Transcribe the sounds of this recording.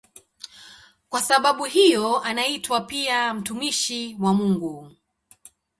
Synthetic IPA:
kwasaɓaɓuɦijɔanaitwapiam̩tumiʃiwamuŋɡu

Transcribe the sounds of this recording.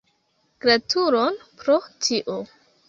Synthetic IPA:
kɾatuɾonpɾotiʔo

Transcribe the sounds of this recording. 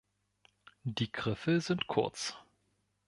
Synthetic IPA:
d̥iːɡʁɪfəzɪntkʰʊɐt͡s

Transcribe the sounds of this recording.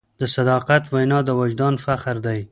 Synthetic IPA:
d̪̥əsad̪ɑqat̪wajnɑd̪əwad͡ʒd̪ɑnfaxɾd̪aj

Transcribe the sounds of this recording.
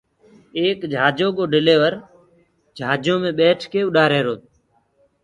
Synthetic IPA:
eːkd͡ʒʱaːd͡ʒoːɠoːɖɪleːʋəɾ | d͡ʒʱaːd͡ʒõːmẽːɓeːʈʰkeːʊɗaːɾeːɾoːt̪̚

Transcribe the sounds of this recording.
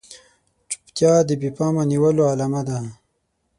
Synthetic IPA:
t͡ʃu̥pt̪jɑd̪əbipɑmaniwəloalamad̪a

